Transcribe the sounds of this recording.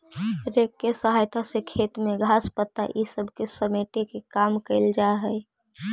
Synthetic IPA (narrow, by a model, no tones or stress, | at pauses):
ɾekːesəɦajt̪ʰasekʰet̪meɡʱaːspət̪ːa̰ʔisəbʱkesəmeʈekekaːmkəɪld͡ʒaɦəɪ